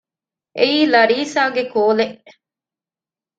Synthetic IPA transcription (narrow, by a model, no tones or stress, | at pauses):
ʔeiːlɐɾiːsaːɡekoːleʔ